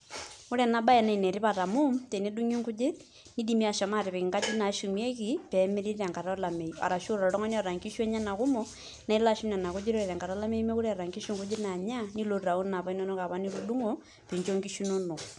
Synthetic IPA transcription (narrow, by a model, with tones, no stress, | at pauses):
o˦ɾɛ˨na˦ɓa˦ɛ˨na˨i˨nɛ˨ɾi˦βa˨ta˨mu˦mtɛ˨ne˦ɗu˦ɲi˦ŋɡu˦d͡ʒɪ˦ | ni˦di˦mi˦a˨ʃa˨ma˦˨ɾi˨βɛ˨ki˨ŋɡa˦d͡ʒi˦na˨ʃu˨mjɛ˦ki˦pɛ˨me˦ɾi˦ɾa˨ŋɡa˨ɾa˦la˨mɛ˨a̰˨ɾa˨ʃo˦ɾɔ˨ɾɔ˨ɾɔ˦ŋɔ˦ni˦a˨ɾa˨ŋɡi˦ʃwɛ˦ɲa˦na˨ku˦mɔ˦ | na˨i˦la˦ʃu˦mna˨na˨ku˦d͡ʒi˦ɾɔ˦ɛ˨ɾa˨ŋɡa˨ɾa˦la˦mɛ˦i˦mɛ˦ku˦ɾɛ˦a˨ɾa˨ŋɡi˦ʃu˦ŋɡu˦d͡ʒɪ˦na˨ɲa˦ni˦lo˦ɾa˨u˦na˨βa˦i˦nɔ˦no˦ka˨βa˦ni˦ɾu˦du˦ŋɔ | pe˨ɲt͡ʃo˦ŋɡi˦ʃu˦nɔ˦nɔ˨